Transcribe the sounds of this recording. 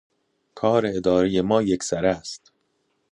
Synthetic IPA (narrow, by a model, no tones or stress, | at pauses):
kʰɒːɾeed̪ɒːɾeje̞mɒːjecsæɾæst̪